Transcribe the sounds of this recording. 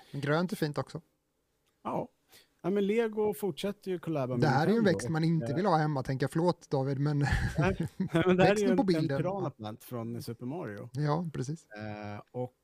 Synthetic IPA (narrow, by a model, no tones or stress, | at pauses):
ɛɡɾøːnt̪ɔfiːnt̪ɔksɔ | ɑː | næmɛnleːɡʊfʊʈʂɛt̪ːəɾjɵkʰɔlæːbamd̪ɛɦæːɾæɾjɵɛnvɛkstt̪manɪnt̪əvɪlhɑːhɛmːat̪ʰɛŋkːafœɭoːt̪d̪ɑːvɪd̪mɛn | mɛnd̪ɛhɛæːɾɛsj̪pɔbɪld̪ənɾɑːnaplant̪fɾɔnsɵpəɾmɑːɾɪʊ̰jɑːpʰɾɛsiːs | ɔk